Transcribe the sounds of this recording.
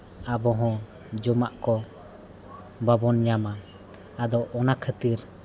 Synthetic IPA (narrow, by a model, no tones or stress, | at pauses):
abɔɦɔ̃ | d͡ʒɔmaʔkɔ | babɔnɲamaː | d̪ɔʔɔnakʰət̪iɾ